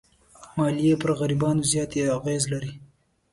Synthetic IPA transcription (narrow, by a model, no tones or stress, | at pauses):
mɑlijepəɾɣaɾibɑnozjɑt̪eaɣezlaɾi